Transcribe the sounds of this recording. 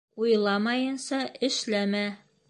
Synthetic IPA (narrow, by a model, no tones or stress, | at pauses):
ujlˠɑmɑjɤ̆nsɑʔɘ̆ʃlæmæ